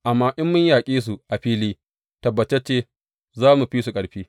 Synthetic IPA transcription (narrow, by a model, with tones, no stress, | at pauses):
ʔa˨mːaː˦ʔɪ˦mːʊ˦ɲjaː˨kʲʼiː˦s̬u˨ʔa˨ɸiː˦liː˦ | tɐ˨bːɐ˨t͡ʃe˦t͡ʃeː˦ | zaː˦mu˨ɸiː˦su˨kʼɐ˨ɽɸiː˦